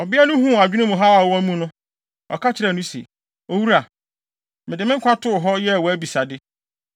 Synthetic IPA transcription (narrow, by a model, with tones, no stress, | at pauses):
ɔ˨bɪ˦a˦nʊ̃˦ɦũ˦˨a˨d͡ʑᶣnʊ̃˦mũ˨ɦa˦a˨wɔ˦æ˦mũ˦nʊ̃˦ | ɔ̰˨kʰa˦t͡ɕʰɪ˦ɾɛ˨nʊ̃˦sḛ˨ | o˨wu˦ɾa˨ | mɪ̃˨dɪ˨mɪ̃˦ŋ˦kʰʷa˦tʰʊ˦˨ɦɔ˦jɛ˦˨wɔ˨æ˦bi˨sa˨dɪ˦